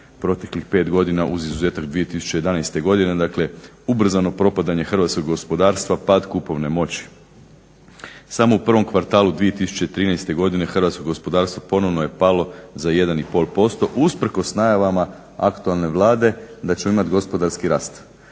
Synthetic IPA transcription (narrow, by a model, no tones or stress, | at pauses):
pɾo̞t̪e̞klixpe̞ːt̪ɡo̞d̪inaʔuzizuze̞ːt̪akd̪ʋije̞t̪isu̥t͡ɕe̞je̞d̪anajst̪e̞ɡo̞d̪ined̪akle̞ | ubr̩zano̞pɾo̞pad̪aɲe̞xr̩ʋat̪skoɡɡo̞spo̞d̪aːɾst̪ʋapad̪kupo̞ʋne̞mo̞t͡ɕi̥ | samo̞upr̩ʋo̞mkʋaɾt̪aːlud̪ʋije̞t̪isu̥t͡ɕe̞t̪ɾiːnajst̪e̞ɡo̞d̪ine̞xr̩ʋaːt̪skoɡo̞spo̞d̪aːɾst̪ʋopo̞no̞ʋnoje̞palˠo̞zaje̞d̪anipo̞ːlˠpo̞st̪o̞ʔuspɾ̩ko̞snajaʋama | a̰kt̪ualˠne̞ʋlˠaːd̪e̞d̪at͡ɕemoimat̪ɡo̞spo̞d̪aɾskiɾa̰ːst̪